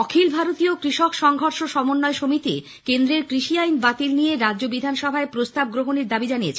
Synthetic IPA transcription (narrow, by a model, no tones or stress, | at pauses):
ɔkʰilbʱaɾot̪iokɾiʃɔkʃɔŋɡʱɔɾʃoʃɔmonːɔeʃomit̪i | kend̪ɾeɾkɾiʃiajnbat̪ilnijeɾadobid̪ʱanʃɔbʱaepɾost̪ab̚ɡɾoɦoneɾd̪abid͡ʑanijet͡ɕʰe